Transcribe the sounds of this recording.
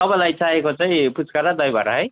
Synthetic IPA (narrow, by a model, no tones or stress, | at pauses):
ʌbʌlajt͡saɦekot͡saĩput͡skʌɾad̪ʌjbʱʌ̰ɾa̰ɦʌj